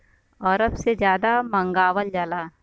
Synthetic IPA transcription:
ɔːɾəpsed͡ʒjaːd̪amɐ̃ŋɡaːʋəld͡ʒaːlaː

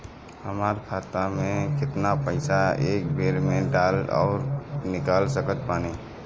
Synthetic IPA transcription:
həmaːɾkʰaːt̪amẽkɪt̪napəɪsaeːk̚bʱeːɾmẽɖaːlɔ̰ʊɾnɪkaːlsəkət̪̚paːneː

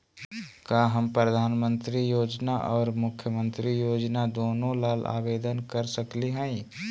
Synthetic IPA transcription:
kaːɦəmpɾəd̪ʱaːnmə̃nt̪ɾijoːd͡ʒnaʔɔːɾmʊkʰjəmə̃nt̪ɾijoːd͡ʒnad̪oːnõlaːla̰ːʋeːd̪ənkəɾsəkliɦɛ̃ĩ

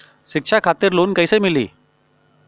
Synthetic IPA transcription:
ʃɪkʂʰakʰat̪ɪɾloːnkəisemɪlḭː

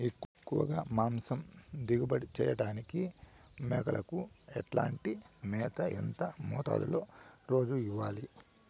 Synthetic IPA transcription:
ekːkːuʋɐ̰ɡaːmaːmsɐmd̪iɡubɐɽit͡ʃɛːjɐɽaːniki | mɛːkɐlʔɐkuɛʈla̰ːɳʈimɛːt̪ɐḛnt̪ɐmɔːt̪a̰ːd̪ṵloːɾo̞ːd͡ʒuiʋːaːli

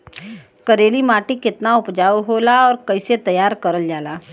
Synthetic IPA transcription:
kɐɾeːlimaːʈikɪt̪naʊpd͡ʒaːwɦoːlaɔːɾkɐɪset̪əjaːɾkɐɾəld͡ʒaːlaː

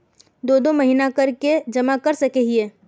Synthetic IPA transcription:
d̪oːd̪omɐɦiːnakɐɾked͡ʒɐmakɐɾsɐkeɦieː

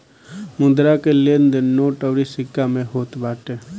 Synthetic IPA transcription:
mʊ̃d̪ɾakelend̪ennoːʈəʋɾisɪkːamẽɦoːt̪baːʈe

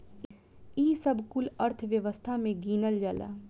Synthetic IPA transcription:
iːsəbʱkʊləɾt̪ʰʋjəʋəst̪ʰamẽɡiːnəld͡ʒala̰ː

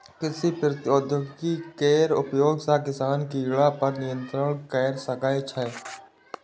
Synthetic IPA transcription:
kɪsipɾət̪ɪod̪joɡkikeːɾʊpjoːɡsakɪsaːnkiːɡɭapɐɾnɪjə̃nt̪ɾəɽ̃kɛːɾsəkaːjt͡ʃʰɛː

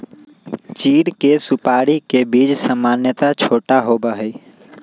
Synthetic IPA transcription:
t͡ʃiːɽkesupaɽikebid͡ʒsəmanjət̪at͡ʃʰoːʈaɦobəɦɛ

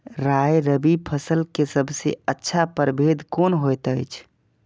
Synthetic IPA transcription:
ɾaeɾəbipʰəsəlkesəbʱsḛətːʃʰapəɾbʱed̪koːnɦojt̪əjt͡ʃʰ

